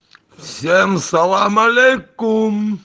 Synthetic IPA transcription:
sɛmsalamalekum

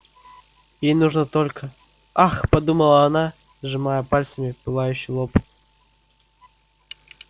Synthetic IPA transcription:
jejnuʐnət̪olʲkə | axpɐd̪uməlˠəɐna | ʐɨmajəpalʲsəmʲɪpɨlˠajʉɕːɪjlˠopt̪

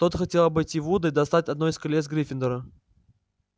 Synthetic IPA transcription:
t̪ot̪xɐtʲe̞lˠəbɨjtʲːivud̪ɨid̪ɐst̪at̚ʲɐd̪̚no̞ɪskɐlʲesɡɾʲifʲɪnd̪əɾə

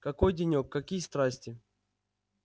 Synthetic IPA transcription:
kɐkojdʲɪnʲokːɐkʲijəst̪ɾasʲtʲɪ

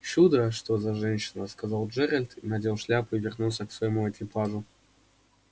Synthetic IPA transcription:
t͡ɕud̪əʂt̪ozɐʐɛnʲɕɪnəskɐzɑlˠd͡ʒɛɾʲəlʲt̪ʰinadʲelˠʂlʲapɨvʲɪrnulˠsʲəksvɐjɪmuɐkʲɪpaʐʊ

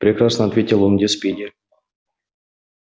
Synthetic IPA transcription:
pɾʲɪkrasnəɐt̪vʲetʲɪlˠomdʲespʲedʲɪ

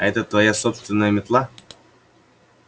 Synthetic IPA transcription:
aɛt̪ət̪vɐjasopst̪vʲɪnːəjəmʲɪt̪lˠa

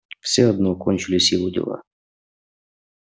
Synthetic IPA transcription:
fsɛɔd̪nɔkɔnʲt͡ʃʊlʲɪsʲilʊd̪ʲɪ̰lˠa̰

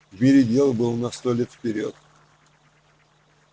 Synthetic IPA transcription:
vmʲɪɾʲɪdʲe̞lˠbɨlˠnɐst̪olʲet̪fʲpʲɪɾʲot̪

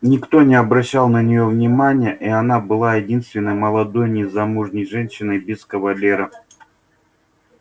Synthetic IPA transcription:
nʲɪkt̪onʲɪɐbɾɐɕːalˠnənʲɪjo̞vnʲɪmanʲɪjəʔiɐnabɨlˠajɪdʲinst̪vʲɪnːəjməlˠɐd̪o̞jnʲɪzɐmuʐnʲəjʐɛnʲɕːɪnəjbʲɪskəvɐlʲeɾə

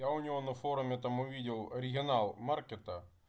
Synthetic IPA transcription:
jaʊnʲɪʋonɐfoɾʊmʲɪt̪amʊvʲidʲɪlˠɐɾʲɪɡʲɪnalˠmarkʲet̪ə

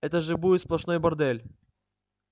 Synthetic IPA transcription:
ɛt̪əʐɨbudʲɪt̪splˠɐʂnojbɐrd̪ɛlʲ

